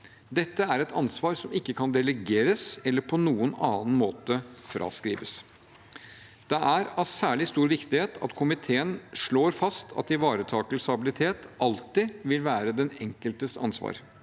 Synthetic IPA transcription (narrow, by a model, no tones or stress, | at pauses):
d̪ɛt̪ːəæɾɛt̪ʰɑnsʋɑːɾsɔmɪkːəkʰɑnd̪ɛləɡeːɾəsɛlːəɾpʰɔnuːənɑːnmoːt̪əfɾʔɑ̰ːskɾḭːʋəs | d̪̥ɛʔæɾɑsæːɭɪst̪uːɾʋɪkt̪ɪheːt̪ʰɑ̰t̪kʰʊmɪt̪ʰeːənʂɭoːɾfɑst̪ʰɑ̰t̪ɪʋɑːɾət̪ʰɑːkəlsɑbɪlɪt̪ʰeːt̪ʔɑlt̪ɪʋɪlʋæːɾəd̪ɛnɛŋkəlt̪əsɑ̰nsʋɑ̰ːɾ